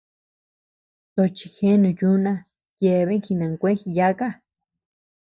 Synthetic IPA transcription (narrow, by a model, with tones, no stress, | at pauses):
t̪o˧˨t͡ʃi˧xe˦nũ˨ju˦nã˧ | je˧˨βe˦ŋ˦xi˧nã˨ŋkʷẽ˦xi˧ja˦ka˦